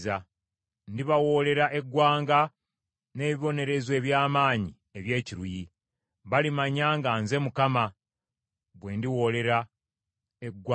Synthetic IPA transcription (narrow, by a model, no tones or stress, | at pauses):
za | ndiβawo̞le̞ɾaʔe̞ɡːwaːŋɡa | ne̞ːβiβo̞ne̞ɾe̞zwe̞ːβjaːmaːɲi | eβje̞ːciɾuji | βalimaɲaːŋɡanze̞mukama | βwe̞ːndiwo̞ːle̞ɾa | eɡw